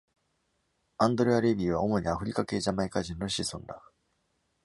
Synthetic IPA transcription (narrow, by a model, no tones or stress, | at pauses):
ãnd̪o̞ɾɯ̟aɾe̞bʲiːβ̞ao̞mo̞ɲ̟iaɸɯ̟ɾʲikake̞ːʑamaikaʑĩnːo̞ɕisõ̞nd̪a